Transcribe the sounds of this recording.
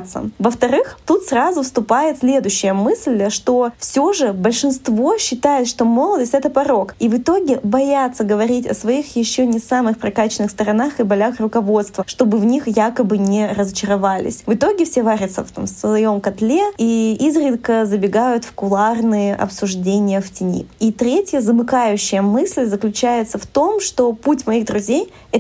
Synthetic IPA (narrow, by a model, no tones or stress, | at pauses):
t̪sə̰vəft̪ɐɾɨxt̪ut̪srazʊfst̪ʊpajɪt̪sʲlʲe̞d̪ʊɕːɪjəmɨsʲlʲʂt̪o̞fsʲoʐɨbəlʲʂɨnst̪vo̞ɕːɪt̪ajɪt̪ʂt̪o̞mo̞lˠəd̪əsʲtʲɛt̪əpɐɾo̞kivɨt̪o̞ɡʲɪbɐjat̪səɡəvɐɾʲitʲɐ̰svɐixjɪɕːonʲɪsamɨxpɾɐkat͡ɕɪnɨxst̪əɾɐnaxɨbɐlʲaxrʊkɐvo̞t̪st̪vəʂt̪o̞bɨvnʲixjakəbɨnʲɪɾəzət͡ɕɪɾɐvalʲɪ̰sʲvɨt̪o̞ɡʲɪfsʲevaɾʲɪt̪sə̰ft̪a̰msvɐjo̞mkɐt̪lʲeiizɾʲɪd̪kəzəbʲɪɡajʊt̪fkʊlˠarnɨjəʔɐ̰psʊʐdʲenʲɪjəftʲɪnʲḭit̪ɾʲetʲjəzəbɨkajʉɕːɪjəmɨsʲlʲzəklʲʉt͡ɕæjɪt̪səft̪o̞mʂt̪o̞putʲmɐiɣd̪ɾʊzʲej | ɛ